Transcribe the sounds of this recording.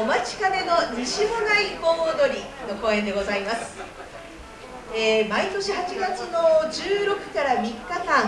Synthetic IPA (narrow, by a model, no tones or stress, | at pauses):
omat͡ɕi̥kame̞no̞ɲiɕiɦo̞ɾaikoːd̪o̞ɾʲino̞ko̞ːẽ̞nd̪e̞ɡo̞zaimasɨ̥ | eːmait̪o̞ɕihat͡ɕiɡat͡sɨno̞d͡ʑɨːɾo̞kɯ̟̥kaɾamʲikːakãŋ